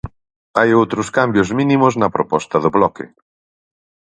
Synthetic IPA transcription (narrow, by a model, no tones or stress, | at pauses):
ajowt̪ɾʊskambjʊzmĩnĩmʊznɐpɾopɔst̪ɐðʊβlɔkɪ̰